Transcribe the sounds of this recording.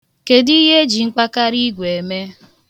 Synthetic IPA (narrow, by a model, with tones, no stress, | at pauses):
ke˨di˦ɦe˦d͡ʒi˨ŋ͡m̩˦k͡pa˦ka˦ɾi˦ɡʷe˨e˨me˦